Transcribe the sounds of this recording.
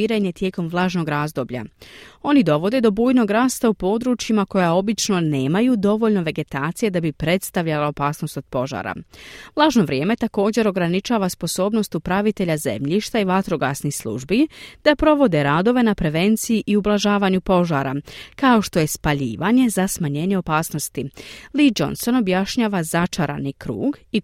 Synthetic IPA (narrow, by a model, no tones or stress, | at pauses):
iːɾeɲe̞t̪je̞ːko̞mvlˠaːʒno̞ɡɾaːzd̪o̞bʎa̰o̞nid̪o̞ʋo̞d̪e̞d̪o̞buːjno̞ɡɾaːst̪aupo̞ːd̪ɾuːt͡ʃjimako̞jao̞bit͡ʃno̞ne̞ːmajuːd̪o̞ʋo̞ʎno̞ʋe̞ɡe̞t̪aːt̪sije̞d̪abipɾe̞t̪st̪aʋʎalao̞paːsno̞st̪o̞d̪̥po̞ʒa̰ːɾa̰ʋlˠaːʒno̞ʋɾʲje̞ːme̞t̪ako̞ːd͡ʑe̞ɾo̞ɡɾanit͡ʃaːʋaspo̞so̞ːbno̞st̪upɾaʋit̪e̞ʎaze̞̰mʎiʃt̪aiʋat̪ɾoɡa̰ːsnixslˠṵʒbid̪̥apɾo̞ʋo̞d̪e̞ɾaːd̪o̞ʋe̞napɾe̞ʋe̞nt̪sijiʔiublˠaʒaːʋaːɲupo̞ʒaːɾa̰kao̞ʃt̪o̞je̞spaʎḭːʋaɲe̞zasmaɲe̞ɲe̞o̞paːsno̞st̪ilid͡ʒo̞̰nso̞no̞bjaʃɲaːʋazat͡ʃaɾa̰nikɾṵːɡi